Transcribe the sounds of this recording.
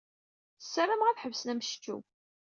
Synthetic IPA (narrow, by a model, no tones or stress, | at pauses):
sːæɾamʁæθħəvsnæmʃt͡ʃːṵ